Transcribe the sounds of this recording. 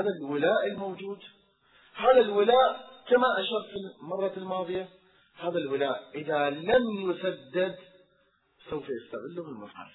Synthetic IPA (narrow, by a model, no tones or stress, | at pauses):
aːðalwɪlaːʔɪlmowd͡ʒuːd̪ | haːðalwɪlaːʔkamaʔaʃɑɾfimɑrˤːɑlmɑːðˤɨja | haːðalwɪlaːʔʔɪðalamjʊsad̪ːɪd̪ | sawfajɪst̪aʕɪlːʊmɪlmafħa̰l